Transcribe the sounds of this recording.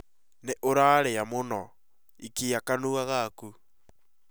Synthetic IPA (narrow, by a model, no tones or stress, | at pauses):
neʔoɾaɾejamonɔ | ikijakanuɣaɣaku